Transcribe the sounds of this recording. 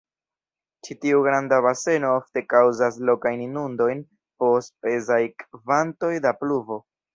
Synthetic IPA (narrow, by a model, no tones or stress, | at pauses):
t͡ʃitiuɡɾandaβase̞no̞ofte̞kawzas̬lo̞kajninundo̞jn | po̞spe̞zajkvanto̞jdapluvo̞